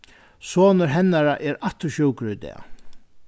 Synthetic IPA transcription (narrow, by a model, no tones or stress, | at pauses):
soːnəɾɦɛnːaɾaʔɛɾat̪ːʊɕuwkɾɪd̪ɛ̰ː